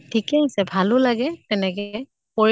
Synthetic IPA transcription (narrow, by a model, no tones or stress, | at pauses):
tʰikeɦisɛbʱalʊlaɡɛtɛnɛkɛ | poɹ